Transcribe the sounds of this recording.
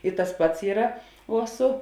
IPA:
ɪ tɐs ˈpɐts ˈiːrɐ uɔ ˈsʊ

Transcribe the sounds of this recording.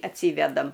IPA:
ɐtʲˈsʲiːʋʲɛdɐm

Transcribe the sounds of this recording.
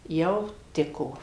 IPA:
ˈjɛʊ ˈtʲɪkoː

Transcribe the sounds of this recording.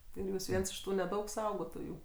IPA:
ɪr ˈjuːs ˈʋʲiɛns ɪʃ ˈtuː nʲɛˈdɐʊk ˈsɐʊɡoːtoːjuː

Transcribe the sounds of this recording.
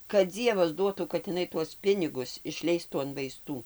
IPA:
kɐt ˈd͡zʲiɛʋɐs ˈduɔtuː kɐt ɪˈnɐɪ tuɔs ˈpʲɪnʲɪɡʊs ɪʃʲˈlʲɛɪstuː ɐn ʋɐɪˈstuː

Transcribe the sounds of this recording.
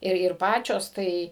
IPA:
ˈɪr ɪr ˈpɑːt͡ʃʲoːs ˈtɐɪ

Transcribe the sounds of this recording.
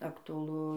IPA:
ɐktʊɐˈlˠʊ

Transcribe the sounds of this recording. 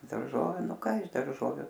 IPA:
dɐrˈʒoːʋʲʊ ˈnʊ ˈkɐ ɪʃ dɐrˈʒoːʋʲʊ

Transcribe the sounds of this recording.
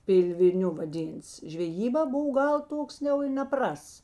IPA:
ˈpʲɪlʲʋʲɪˌnʲʊ ʋɐˈdʲiːnts ʒʲʋʲɛˈjiːbɑː ˈboːw ˈɡɐlˠ ˈtoːks jɛʊ ɪ nʲɛˈprɐsts

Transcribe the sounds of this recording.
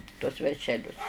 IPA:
tuɔs ʋʲɛrʲʃʲɛˈlʲʊs

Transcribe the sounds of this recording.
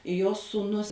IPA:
joː suːˈnʊs

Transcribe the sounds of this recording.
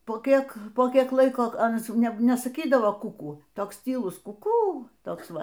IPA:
poː ˈkʲiɛk poː ˈkʲiɛk ˈlˠɐɪkoː ˈɑːnɐs ˈjɛʊ ˈnʲɛ nʲɛsɐˈkʲiːdɐʋoː ˈkʊkuː ˈtoːks tʲiːˈlˠʊs kʊˈkuː ˈtoːks ˈʋɐ

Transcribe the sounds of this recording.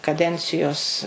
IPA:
kɐˈdʲɛnʲt͡sʲɪjoːs

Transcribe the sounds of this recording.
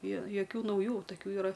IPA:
joː joːˈkʲuː nɐʊˈjuː tɐˈkʲuː iːˈrɐ

